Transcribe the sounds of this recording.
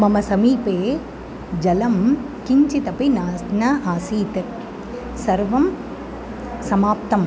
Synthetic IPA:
mɐmɐsɐmiːpeː | d͡ʒɐlɐm | kiɲt͡ʃit̪ɐpinaːsnɐaːsiːt̪ɐ | sɐɾʋɐm | sɐmaːp̚t̪ɐm

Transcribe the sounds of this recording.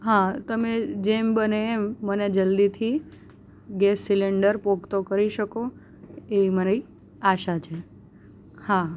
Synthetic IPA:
ɦãt̪əmed͡ʒembəneːmːəned͡ʒəld̪it̪ʰi | ɡɛsːileɳɖəɾpoɡt̪okəɾiʃəko | eiməni | aʃat͡ʃʰe | ha

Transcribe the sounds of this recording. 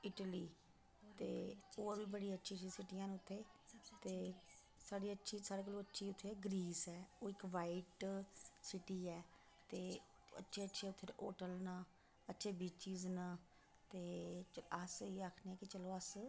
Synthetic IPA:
ɪʈəliː | t̪eːoːʋiːbəɽiːətːʃʰiːsiːsɪʈijãːnʊt̪ʰːeːt̪eː | saːɽiːətːʃʰiːsaːɽeːkəlõːətːʃʰiːʊt̪ʰːeːɡɾiːsɛːoːɪkʋaːiʈ | sɪʈiːɛː | t̪eː | ə̰tːʃʰeːətːʃʰeːʊt̪ʰːeːʔoːʈəlna | ətːʃʰeːbiːt͡ʃiːznaː | t̪eːəsiːaːkʰneɛ̃ːkɪt͡ʃəloːəs

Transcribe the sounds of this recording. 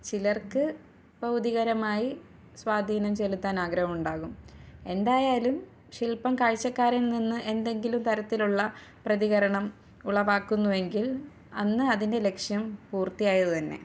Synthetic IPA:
t͡ɕilɐrkɨ | b̥ɐwd̪iɣɐɾɐmaːji | sʋaːd̪ʱiːnɐmt͡ɕe̞lut̪ːaːnaːɡɾɐhɐmuɳɖaːɣume̞nd̪aːjaːlum | ɕilpɐmkaːɻt͡ɕːɐkːaːɾɐlninːɨʔe̞nd̪e̞ŋɡilumt̪ɐɾɐt̪ːiluɭːɐ | prɐðiɣɐɾɐɳɐm | uɭɐʋaːkːunːue̞ŋɡil | ɐnːɨɐðinde̞le̞kʂjɐmpuːrt̪ːijaːjɐðɨt̪ɐnːe̞̰

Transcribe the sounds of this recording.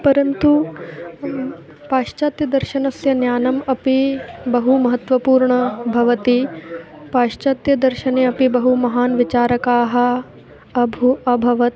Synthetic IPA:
pɐɾɐnt̪u | paːʃt͡ʃaːt̪jɐd̪ɐɾʃɐnɐsjɐnjaːnɐmɐpibɐɦumɐɦɐt̪ʋɐpuːɾɳɐbʱɐʋɐt̪i | paːʂt͡ʃaːt̪jɐd̪ɐɾʃɐneːɐpibɐɦumɐɦaːnʋit͡ʃaːɾɐkaːɦɐ̆ | ɐbʱuɐbʱɐʋɐt̪̚

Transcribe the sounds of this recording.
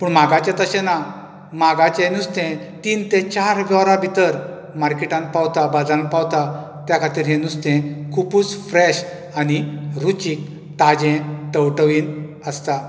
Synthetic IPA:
pəːɳmaɡat͡ɕat̪əɕɛ̃na | maɡat͡ɕɛ̃nust̪ɛ̃ | t̪iːnt̪ɛ̃t͡ɕaɾʋjɔɾabʱit̪əɾ | maɾkiʈãn̚pawt̪abad͡zãpawt̪a | t̪jakʰat̪iːɾɦɛ̃nust̪ɛ̃kʰupuːt͡sfɾɛɕ | aniɾut͡ɕiːk̚ | t̪ad͡ʑɛ̃t̪əwʈəʋiːn | əst̪a

